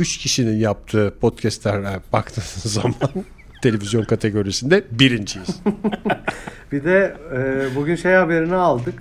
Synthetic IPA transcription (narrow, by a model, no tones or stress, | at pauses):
yt͡ʃcʰiʃininjap̚t̪ʰɯːpʰo̞t̪cʰɛst̪lʲæɾɛbakt̪ʰɯːnzzːaman | t̪ʰe̞lʲe̞vʲizjo̞nkʰat̪ʰe̞ɡo̞ɾisind̪ɛbiɾind͡ʒʰijiz̥ | bid̪ɛɛːbuɟʲynʃejhabe̞ɾinialˠd̪ɯk